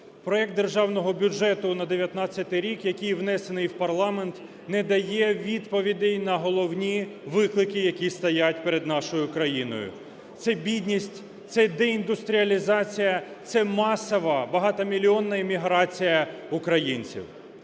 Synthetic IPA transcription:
pɾɔɛk̚t̪d̪erʒɑwnɔɦɔbʲʊd͡ʒɛt̪ʊnɐd̪eʋʲjɐt̪nɑt͡sʲjɐt̪ɪɾʲikjɐkʲijʋnɛsenɪjwpɐrlˠɑment̪ | nɛd̪ɐjɛʋʲid̪pɔʋʲid̪ʲɛjnɐɦɔlˠɔwnʲiʋɪklˠɪkɪjɐkʲist̪ɐjatʲpeɾed̪nɑʃɔjʊkɾɐjinɔ̰jʊ̰ | t̪sɛbʲid̪ʲnʲisʲtʲ | t̪sɛd̪eind̪ʊst̪ɾʲiɐlʲizɑt͡sʲijɐt̪sɛmɑsɔʋɐbɐɦɑt̪ɐmʲilʲiɔnːɐimʲiɦɾɑt͡sʲijɐʊkɾɐjinʲt͡sʲḭw

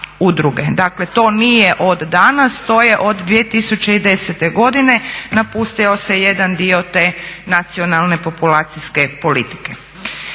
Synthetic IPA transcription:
ud̪ɾuɡed̪akle̞t̪o̞ːnijeʔo̞d̪ːanast̪o̞ːje̞ʔo̞d̪ːʋije̞t̪isut͡ʃeid̪e̞set̪e̞ɡo̞d̪ine̞napust̪io̞se̞jed̪and̪io̞t̪e̞ːnat̪sio̞nalˠne̞po̞pulaːt̪siske̞po̞lit̪i̥ke

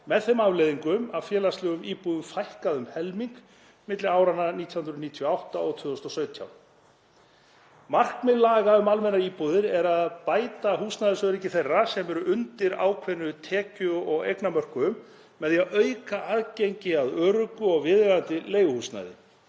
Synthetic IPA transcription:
mɛðθemavlejðiŋkʏmavfjɛːlast̪lɛɣʏmiːpuðʏfajhkaðʏmhɛlmiŋk | mɪt̪lɪaːwɾanːaniːt̪jahʏnɾʏniːt̪ʰijawht̪aɔɣt̪ʰʏːðɔst̪ɔsœːɥt̪ʰja̰w̪ | mar̥kmɪlːaːɣaʏmalmɛnːaiːpuðɪɾɛɾaðpaːjt̪aɦuːsnajðɪsœːðɾicːɪθerːasɛmɛɾʏʔʏnt̪ɪɾa̰ːwkʰvɛnːʏt̪ʰɛːcʏɔɣḛjknamœr̥kʏʏmː | ɛðjaʔœɥkaʔaːðcejɲcɪaðœːɾʏkʏɔɣvɪðɣaðant̪ɪlejɣʏhuːsna̰jðɪ̰

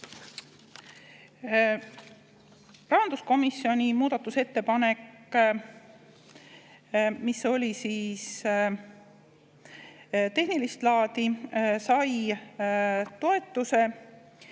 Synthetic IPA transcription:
rɑɦɑnd̪̥usko̞misːio̞nʲimuːd̪̥ɑt̪ːˑuse̞t̪ːe̞pɑne̞kː | miso̞lʲisiːs | t̪e̞hnilist̪lɑːd̪isɑj | t̪o̞e̞t̪ːˑuse̞

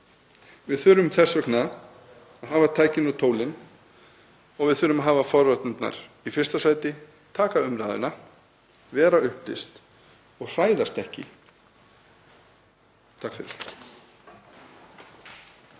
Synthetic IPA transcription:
vɪðθʏɾʏmθɛsːʏkʰnaːð | aɦaːvat̪ʰaːjcɪnɔt̪ʰoːwlɪn | ɔɣvɪðθʏːɾʏmaɦaːvafɔɾvat̪nʏt̪na̰ɾ̥ | ifɪr̥st̪asaːjt̪ɪ | t̪ʰaːkaʏmɾaːðɪ̰na | vɛːɾaʏhplɪ̰st̪ | ɔɣr̥aːjðast̪ɛhcɪ̰ | t̪ʰakfɪɾɪ̰ɾ̥

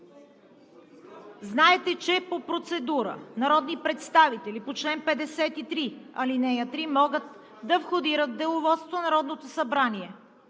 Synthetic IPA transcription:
znaɛt̪ɛt͡ʃɛpopɾot̪sɛd̪uɾə̰nɐɾɔd̪nipɾɛt̪st̪avit̪ɛlipot͡ʃlɛnpɛd̪ɛsɛt̪it̪ɾiɐlinɛjət̪ɾimɔɡət̪ | d̪ɐfxod̪iɾət̪d̪ɛlˠovɔt̪st̪vonɐɾɔd̪not̪osɐbɾaniɛ

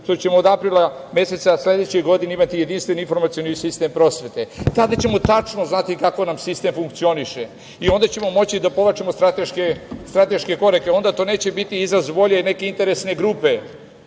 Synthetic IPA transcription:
ʃt̪ot͡ɕe̞moːd̪apɾilˠame̞se̞t̪sasle̞d̪et͡ɕeɣɡo̞d̪ineimat̪ije̞d̪inst̪ʋeninfo̞ɾmat̪sijo̞nisist̪e̞mpɾo̞sʋe̞t̪e̞t̪ad̪at͡ɕe̞mo̞t̪at͡ʂno̞znat̪ikako̞namsist̪e̞mfuŋkt̪sio̞niʃe | io̞nd̪at͡ɕe̞mo̞mo̞t͡ɕid̪apo̞ʋat͡ʃemost̪ɾat̪eʃkest̪ɾat̪e̞ʃke̞ko̞ɾake̞o̞nd̪at̪o̞ːne̞ːt͡ɕe̞bit̪iizɾazʋo̞ʎene̞ke̞int̪e̞ɾe̞sne̞ɡɾuːpe̞

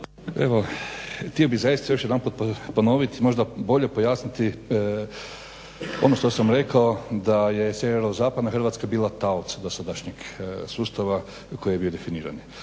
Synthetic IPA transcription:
eʋo̞t̪io̞bizajist̪ajo̞ʃjed̪anpuːt̪̚popo̞no̞ʋit̪imo̞ʒd̪abo̞ʎe̞po̞jaːsnit̪i | o̞̰noʃt̪o̞samɾe̞kaod̪ajeseeɾozaːpad̪naxrʋat̪skabiːlˠat̪aot̪sad̪osad̪aʃɲeɡsuːst̪aʋa | kojiebiod̪e̞finiːɾa̰n

